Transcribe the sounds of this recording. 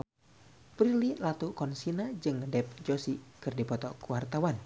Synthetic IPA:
pɾililat̪ukɔnsinad͡ʒɨŋdɛp̚d͡ʒosikɨrdipɔt̪ɔkuwart̪awan

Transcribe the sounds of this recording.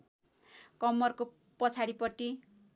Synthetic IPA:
kʌmːʌrko | pʌt͡sʰaɽipʌʈːi

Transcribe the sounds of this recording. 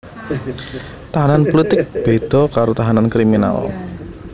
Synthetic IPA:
t̪aɦananpolit̪ɪk̚b̥ed̪̥ɔ̤kaɾot̪aɦanankɾimina̰l

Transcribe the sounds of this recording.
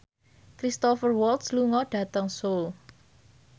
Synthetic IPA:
kɾist̪ɔfərwɔlt̪sluŋɔɖ̥ä̤t̪əŋsol

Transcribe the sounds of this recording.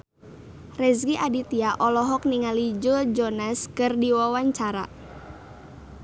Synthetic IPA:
rɛzɡiʔadit̪iaʔɔlɔɦɔk̚niŋalid͡ʒod͡ʒɔnaskɨrdiwawaɲt͡ʃaɾa̰

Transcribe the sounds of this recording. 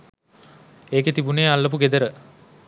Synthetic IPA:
eːket̪ibuneːalːəp̬uɡed̪əɾə

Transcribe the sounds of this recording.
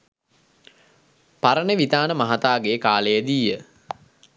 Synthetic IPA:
paɾənəʋit̪aːnəmaɦat̪aːɡekaːlejəd̪iːjə

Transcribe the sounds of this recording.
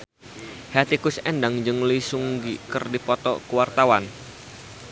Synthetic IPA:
hɛt̪ikusɛndaŋd͡ʒɨŋlisuŋɡikɨrdipɔt̪ɔ̰kuwart̪awan

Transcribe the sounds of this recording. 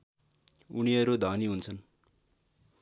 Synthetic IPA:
unijʌɾud̪ʱaniɦunt͡sʰʌn

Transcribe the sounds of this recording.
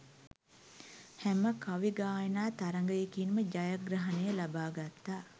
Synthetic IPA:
hɛməkaʋiɡaːjənaːt̪aɾəŋɡəjekinməd͡ʒajaɡrəɦanejəlabaːɡat̪ːaː

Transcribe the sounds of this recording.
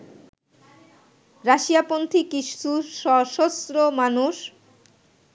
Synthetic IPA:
ɾaʃijapont̪ʰikiʃtuʃɔʃost̪ɾomanuʃ

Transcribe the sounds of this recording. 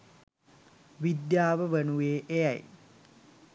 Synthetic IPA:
ʋid̪jaːʋəʋənueːʔejaj

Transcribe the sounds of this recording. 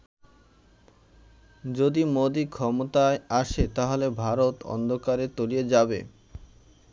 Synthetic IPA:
d͡ʑod̪imod̪ikʰɔmot̪aeaʃet̪aɦolebʱaɾot̪ɔ̰nd̪ʱokaɾet̪olied͡ʑabḛ

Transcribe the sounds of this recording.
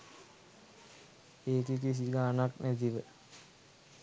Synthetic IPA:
eːkik̬is̬iɡaːnaknæt̪̬iʋə

